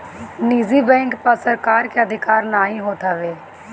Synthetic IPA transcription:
niːzibɛ̃ːŋkpɐɾsəɾkaːɾkeəd̪ʱɪkaːɾnaːɦĩɦoːt̪aʋeː

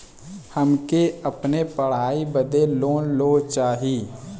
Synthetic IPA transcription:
həmkeəpnepəɽ̤aːibəd̪eloːnloːt͡ʃaːɦiː

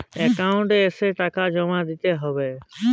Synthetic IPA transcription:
ekaʊ̃ɳʈeːseʈakad͡ʒɔmad̪it̪eɦɔbe

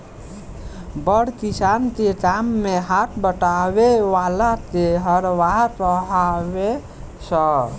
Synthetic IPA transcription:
bəɽ̤kisant̪eʈamːeɦat̪ʰbəʈaβeʋalat̪eɦəɾʋapəɦaβe | sə

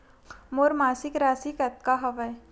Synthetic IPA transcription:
moːɾmaːsɪkɾaːsikɐt̪̚kaɦɐʋəj

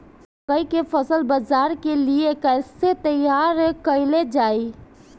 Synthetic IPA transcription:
kəikefʰəsəlbəzaɾkeliekəɪset̪əjaɾkəɪled͡ʒaːi

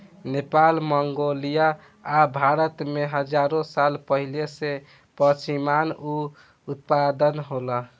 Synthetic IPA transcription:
nepalməŋɡolijaː | bʱaɾət̪meɦəd͡ʒaɾõsalpəɦilese | pəɾt͡ʃimanu | ut̪̚pad̪ənɦolə

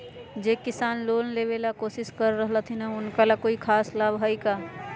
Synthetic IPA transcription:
d͡ʒeːkɪsaːnloːllebelakoːsɪskəɾːəɦlat̪ʰinɐʊnkalakoːikʰaːslaːbɦəikaː

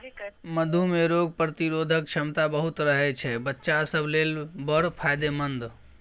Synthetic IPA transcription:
məd̪ʱumeɾoɡ̚pɾət̪iɾod̪ʱək̚t͡ʃʰəmt̪abəɦut̪ɾəɦɛt͡ʃʰɛbətːʃasəblelbəɾpʰajd̪emənd̪

